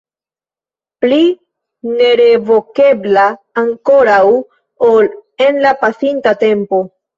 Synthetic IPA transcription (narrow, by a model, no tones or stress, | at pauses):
pli | ne̞ɾe̞vo̞ke̞blaː | ŋko̞ɾaw | ole̞nlapasintate̞mpo̞